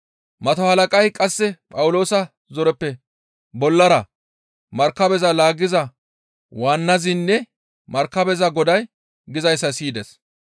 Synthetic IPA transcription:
mɐt̪ɔhɐlɐkʼɐjkʼɐsːɛpʼɐwʊlo̞ːsɐ | zɔɾɛpːɛ | bɔlːɐɾɐ | mɐɾkːɐbɛzɐlaːɡɪzɐ | waːnːɐzɪnːɛ | mɐɾkːɐbɛzɐɡɔd̪ɐj | ɡɪzɐjsːɐsiːd̪ɛs

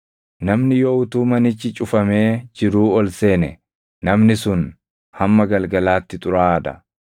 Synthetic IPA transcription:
nɐmnɪjoːʊt̪uːmɐnɪt͡ʃːɪt͡ʃʼʊfɐme̞ːd͡ʒɪɾuːɔlse̞ːnɛ | nɐmnɪsʊn | hɐmːɐɡɐlɡɐlaːt̪ːɪt̪ʼʊɾaːd̪ɐ̰

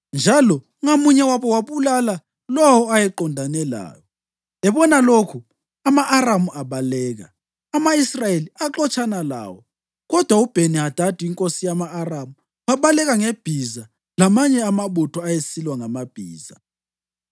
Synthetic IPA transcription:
nd͡ʒʱalɔ | ŋomuɲɛwaβɔwaβulala | lɔwɔajɛǃɔndʱanɛla̰ːjɔ | ɛβɔnalokʰu | amaʔːramuʔaβalɛːɣa̰ː | maisrajeliaǃɔt͡ʃʼanala̰ːwɔ | ɣɔd̥ʱwaub̥ʱeniad̥ʱad̥ʱiiŋkʼosijamaːramu | waβalɛɣaŋeb̥ʱiza | lamaɲɛamaβutʰɔajesilwaŋamab̥ʱḭːza

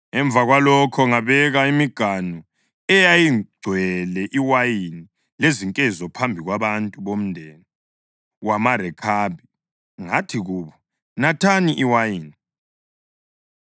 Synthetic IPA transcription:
ɛɱb̪vʱaɣwalɔkʰɔŋaβɛɣaimiɡ̥ʱanɔ | ɛjajiɡ͡ǀʱwɛlɛʔiwajini | leziŋkʼɛzɔpʰambʱiɣwaβantʼuβom̩ndʱɛːnɔ | wamaɾɛkʰabʱi | ŋatʰiɣuːβɔ | natʰaniʔiwajiːni

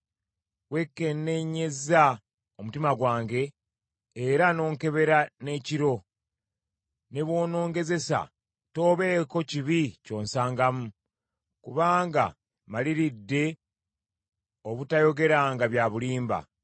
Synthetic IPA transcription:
we̞kːe̞nːe̞ɲe̞za | o̞mutimaɡwaːŋɡe̞ː | ɾano̞ːŋke̞βe̞ɾane̞ːciɾo̞ | ne̞βwo̞ːno̞ːŋɡe̞ze̞sa̰ | to̞ːβe̞ːko̞ciβico̞ːnsaːŋɡamu | kuβaːŋɡa̰ | maliɾidːe̞ | o̞βutajo̞ɡe̞ɾaːŋɡaβjaːβuliːmba̰

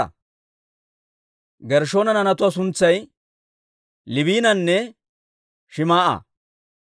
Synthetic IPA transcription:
ɐ̰ | ɡɛɾʃo̞ːnɐnɐnɐt̪ʊasʊnt͡sːɐj | lɪβiːnɐnːɛ | ʃɪmaːʔa̰

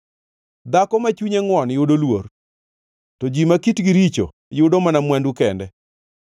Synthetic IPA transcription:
d̪akɔmat͡ʃuɲeŋwɔnjʊdolwor | tɔd͡ʒimakitɡiɾit͡ʃo̰ | jʊdomanamwɛndukɛndɛ

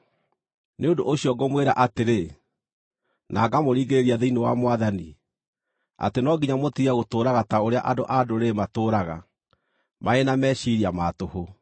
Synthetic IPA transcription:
neondoʔoɕiɔɡomweɾa̰ʔateɾe | na̰ːɡamoɾiːɡeɾeɾiaðeinewa̰mowaðani | a̰tenɔɡiɲamotiaɣotoːɾaɣataoɾea̰ʔadoʔadoɾematoːɾaɣa̰ | maenamɛːʃiɾiamaːtoho

